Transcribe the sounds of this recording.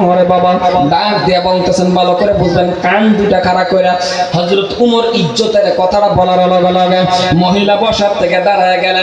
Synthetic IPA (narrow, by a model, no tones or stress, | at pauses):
mɦɔɾebabad̪akd̪iabɔnt̪esʰenbalokoɾebud͡ʒʱlenkand̪uʈakʰaɾakojɾa | hɔzuɾot̪umoɾid͡ʒd͡ʒot̪eɾekɔt̪ʰaʈabɔlaɾalaɡalaɡamoɦilabɔʃaɾt̪ʰeked̪aɾajaɡɛle